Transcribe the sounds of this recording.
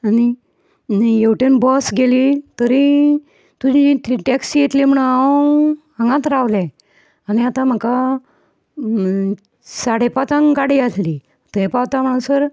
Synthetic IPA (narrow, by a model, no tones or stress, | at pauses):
ani | jewʈənbɔsɡelit̪əɾi | t̪ud͡ʑitʈɛksijet̪lem̤əɽua | ɦə̃ŋɡãt̪ɾaʋlɛ | aniat̪ãm̤əka | saɽepat͡sãŋɡaɽiasli | t̪epawt̪am̤əɽ̃ũsəɾ